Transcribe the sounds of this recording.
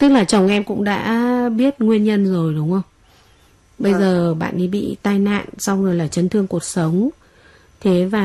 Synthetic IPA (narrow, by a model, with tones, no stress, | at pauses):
t̪ɨ˦˥k̚laː˨˩t͡ɕə˨˩wŋ͡mʔɛ˧mkʊ̰˧˥ŋ͡mɗa̰ː˧˥ɓi˦˥ət̚ŋwi˧ənɲə˧nzo˨˩jɗʊ˨˦wŋ͡mʔə˧wŋ͡m | ɓə˧jzəː˨˩ɓa̰ː˧˨nɗi˨˦ɓḭ˧˨t̪aː˧jna̰ː˧˨nsa˧wŋɨ˨˩əjlaː˨˩t͡ɕə˨˦nt̪ʰɨ˧əŋku˨˩ət̚sə˨˦wŋ͡m | t̪ʰe˨˦vaː˨˩